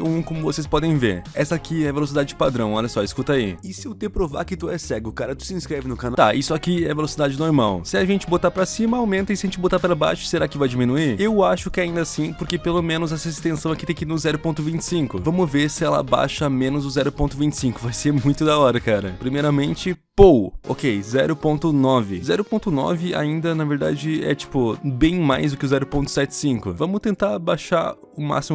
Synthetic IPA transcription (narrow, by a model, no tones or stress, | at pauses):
ũkõmʊvosespɔd̪ẽj̃vḛɾɛ̰sɐːkiɛvelosid̪ad͡ʒɪd͡ʒɪpad̪ɾɐ̃w̃ɔʎɐsɔɪskut̪aiɪsɪʊt̪epɾova̰ɾkɪt̪uɛsɛɡʊkaɾɐt̪u̥sɪĩskɾɛvɪnʊkanat̪aisʊakiɛvelosid̪ad͡ʒɪnoɾmawsɪɐʒẽnt͡ʃɪbot̪apɾɐsĩmɐawmẽnt̪ɐɪsaɐʒẽɲt͡ʃɪbot̪apɾaba̰jʃʊ̥seɾakɪvajd͡ʒimĩnuiewaʃʊkɪɛaĩnd̪ɐasĩpʊɾkepelomẽnʊzɛsɐɪst̪ẽsɐ̃w̃ɛkɪt̪ẽkɪnʊzɛɾʊpõnt̪ʊvĩnt͡ʃɪ̥sĩŋkʊvɐ̃mʊveɾsɪɛlɐ̰ba̰ʃɐmẽnʊzʊzɛɾʊpõnt̪ʊvĩnt͡ʃɪ̥sĩŋkʊvajseɾmũj̃t̪ʊd̪aɔɾɐkaɾɐ̰pɾimejɾɐmẽnt͡ʃɪpowo̰kejzɛɾʊpõnt̪ʊnɔvɪzɛɾʊpõnt̪ʊnɔ̰vɪa̰ĩnd̪ɐnɐveɾd̪a̰d͡ʒɪɛ̰t͡ʃi̥pʊbẽj̃majzd̪ʊkɪʊzɛɾʊpõnt̪ʊ̥sɛt͡ʃɪ̥sĩŋkʊvɐ̃mʊt̪ẽnt̪abaʃa̰ | ʊma̰simʊ